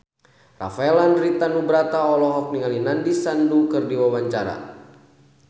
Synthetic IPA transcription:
ra̰faɛlanrit̪anubɾat̪aɔlɔɦɔk̚niŋalinandisandukɨrdiwawaɲt͡ʃaɾa̰

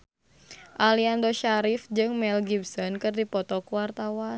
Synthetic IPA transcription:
ʔaliandoʃaɾifd͡ʒɨŋmɛlɡibsɔnkɨrdipɔt̪ɔkuwart̪awan

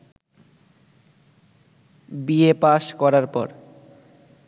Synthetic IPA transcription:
biepaʃkɔɾaɾpɔ̰ɾ

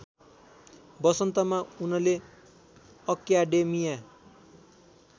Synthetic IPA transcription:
bʌsʌnt̪ʌmaunʌle | ʌkjaɖemija

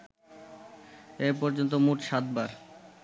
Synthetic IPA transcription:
epɔɾd͡ʑont̪̬omuʈʃat̪̚baɾ

